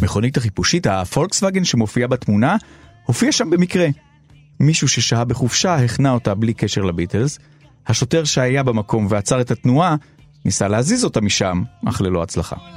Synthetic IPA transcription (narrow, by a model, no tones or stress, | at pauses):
meχo̞nithaχipuʃithafo̞lksvaɡe̞nʃemo̞fiabatmuna | ho̞fiaʃambe̞mikʁe̞ | miʃuʃe̞ʃaabeχufʃaheχnao̞tablike̞ʃe̞ʁlabitelz | haʃo̞te̞ʁʃeajabemako̞mveat͡saʁe̞tatnua | nisaleazizo̞tamiʃamʔa̰χlelo̞at͡slaχa̰